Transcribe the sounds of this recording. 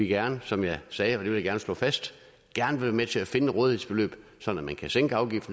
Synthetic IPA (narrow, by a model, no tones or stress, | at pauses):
iɡ̥æɐnəsɒ̽mjɑ̈ɪsɛːɒ̽d̥e̝ʋejaɡæɐnəsl̥ɔ̰̽ːfæsd̥ | ɡ̥æɐnəʋe̝ʋæɐmet͡sʰe̝læfe̝nəʁɔːðˠihe̝sb̥e̝lø̰ːb̥ | sɒ̽dn̩æmænkʰæseŋɡ̥əɑ̈ʊɡ̥ifd̥n̩